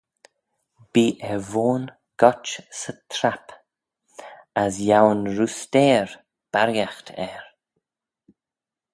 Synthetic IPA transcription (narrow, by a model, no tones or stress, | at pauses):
b̥iːʔɛvoːn | ɡ̥ɔt͡ʃsət̪ʰɾap | asjawnɾust̪ɛːɹ | b̥aɾjaxt̪ʰɛɹ